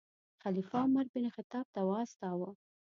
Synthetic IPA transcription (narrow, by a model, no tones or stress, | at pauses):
xalifaʊmaɾbɪnexɪt̪ɑːb̚t̪awast̪ɑwə